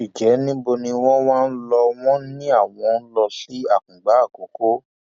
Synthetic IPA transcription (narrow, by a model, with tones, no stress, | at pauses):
i˨d͡ʒɛ˨˦nĩ˦bo˧nĩ˧w̃ɔ̃˦w̃ãː˦n̩˦lɔ˧w̃ɔ̃˦nĩ˦a˦˨w̃ɔ̃˧n̩˦lɔ˧si˦a˦˨k͡p̚ũ˨ɡ͡ba˨˦˨ko˨˦ko˦